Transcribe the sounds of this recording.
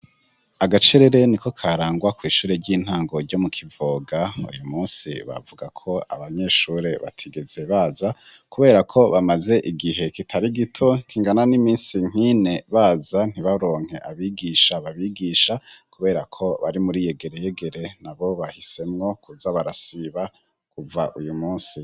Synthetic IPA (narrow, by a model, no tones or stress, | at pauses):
aɡat͡ʃeɾe̞ɾe̞niko̞kʰaɾaːŋɡwakwiːʃuːɾe̞ɾɟiːn̥haːŋɡo̞ɾɟo̞mukʰivoːɡaṵjumuːnsḭβa̰vuɡakʰo̞a̰βaɲe̞ʃuːɾe̞βa̰tʰiɡe̞ze̞βaːza | kuβe̞ːɾakʰo̞βamaze̞ʔiɡiɦe̞kitʰaɾiɡitʰo̞kʰiŋɡananimiːnsiŋ̥ine̞βaːzan̥iβaɾo̞ːŋ̥he̞ʔaβiɡiːʃaβaβiɡiːʃakuβe̞ːɾakʰo̞βaɾimuɾije̞ɡe̞ɾe̞jeɡe̞ɾe̞naβo̞βahise̞mŋo̞kʰuzaβaɾasiβa | kuvaʔujumuːnsi